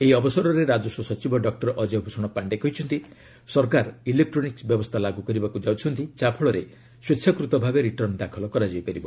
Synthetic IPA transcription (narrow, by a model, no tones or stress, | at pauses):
eiɔbɔsɔɾɔɾeɾad͡ʒɔsɔsɔt͡ʃibɔɖɔk̚ʈɔɾɔʔɔd͡ʒebʱusɔɽ̃ɔpaɳɖekɔɦit͡ʃʰɔnt̪i | sɔɾkaɾilek̚ʈɾoniksbjɔbɔst̪ʰalaɡukɔɾibakud͡ʒawt͡ʃʰɔnt̪it͡ʃapʰɔɭɔɾe | swet͡ʃʰɔkɾut̪ɔbʱabeɾiʈɔɾnd̪akʰɔlɔkɔɾad͡ʒajpaɾibɔ